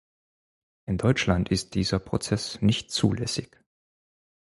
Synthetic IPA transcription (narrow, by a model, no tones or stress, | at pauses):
ʔɪndɔʏt͡ʃlantɪst̚d̥iːzɐpʁ̥ot͡sɛsnɪçtt͡suːlɛsɪç